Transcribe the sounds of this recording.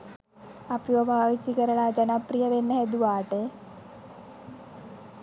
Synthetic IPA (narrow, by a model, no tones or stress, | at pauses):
ɐpjuɐbʱaːʋit͡ɕːikɐɾɐɽad͡ʑɐnɐprijɐʋenːɐɦed̪uʋaːʈɨ